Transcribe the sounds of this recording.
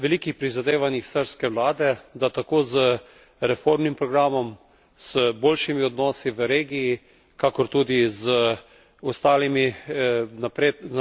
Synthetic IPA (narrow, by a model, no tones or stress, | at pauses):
ʋɛliːkixpɾizad̪eːʋanixsəɾskɛʋlaːd̪ɛd̪at̪akoːzə | ɾɛfoɾmnimpɾɔɡɾaːmɔm | səboːlʃimiɔd̪nɔːsiʋəɾeːɡijː | kakɔɾt̪uːd̪izə | ɔst̪aːlimi | napɾe